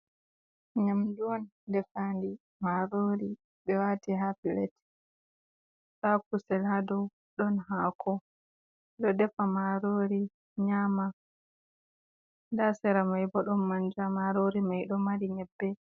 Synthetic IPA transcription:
ɲamduwɔndɛfandi | maɾoːɾi | ɓɛwatiɦafilɛt | ɗakusɛlhadɔw | ɗɔnɦaːkʰɔ | ɗɔdɛfamaɾoɾi | ɲama | ndasɛɾamajbɔɗɔnmand͡ʒamaɾoɾimajɗɔmaɾiɲɛbːɛ

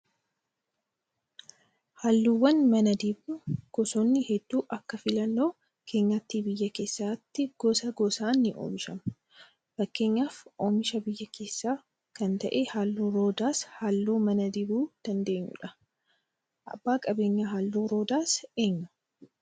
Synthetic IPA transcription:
haːlːuːwːɐnmɐnɐd̪ɪbuɡ̥ɔsoːnːɪhɛd̪ːuːʔɐkːɐfɪlɐnːo̞ː | kʰe̞ːɲːat̪ːiːbɪjːɐke̞ːsːaːt̪ːɪɡ̥ɔsɐɡɔsaːnːɪʔo̰ːmɪʃɐm | b̥ɐkːe̞ːɲːaːfʔoːmɪʃɐbɪjːɐkʰe̞ːsːaː | kɐnt̪ɐʔehaːlːuːɾoːd̪aːshaːlːuːmɐnɐd̪ɪbuːd̪̥ɐnd̪e̞ːɲːṵᶑɐ | ʔɐ̰bːaːkʼɐbe̞ːɲːaɦaːlːuːɾo̞ːd̪aːse̞ːɲːɐ̥

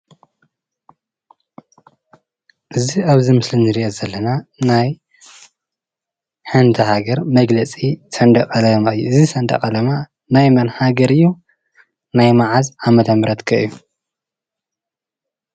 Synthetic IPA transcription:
ʔɨziaβzɨmɨslinɨɾiʔozɐlːɐnanaj | ħɨnt̪ʰɐɦaɡɐɾmɐɡlɐt͡sʼisɐnd̪ɐkʼɐlɐmaɨjːuɨzisɐnd̪ɐ̰kʼɐlɐma | najmɐnhaɡɐɾɨjːu | najmaʕazamɐt̪ʰɐmɾɐt̪kʰɐʔɨju

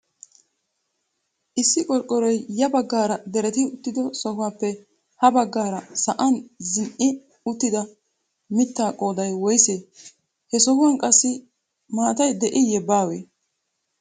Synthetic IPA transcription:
ʔɪsːɪkʼɔlkʼːɔɾɔjjɐbɐɡːaːɾɐd̪ɛɾɛt̪ɪʊt̪ːɪd̪ɔsɔhʊwaːpːɛ | hɐbɐɡːaːɾɐsɐʔɐnzɪnʔɪ | ʊt̪ːɪd̪ɐ | mɪt̪ːaːkʼoːd̪ɐjwɔjseː | hɛsɔhʊwankʼɐsːɪ | maːt̪ɐjd̪ɛʔɪjɛbaːweː

